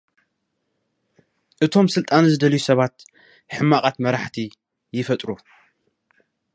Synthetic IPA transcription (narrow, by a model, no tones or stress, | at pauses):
ʔɨt̪ʰo̞msɨlt̪ʼanzɨd̪ɐlijusɐβat̪ | ħɨmːaqʼat̪mɐɾaħt̪ʰi | jɪfɐt̪ʼɾu